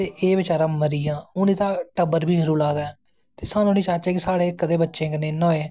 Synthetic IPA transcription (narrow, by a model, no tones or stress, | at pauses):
eːʔeːbɪt͡ʃaːɾãːməɾijãːʊnĩːt̪ãːʈəbəɾbʱiːd͡ʒəɾuːlaːd̪aː | t̪eːsaːnũːniːt͡ʃaːt͡ʃɛːkɪsaːɽeːkəd̪eːbətːʃẽːkəneːnoːeː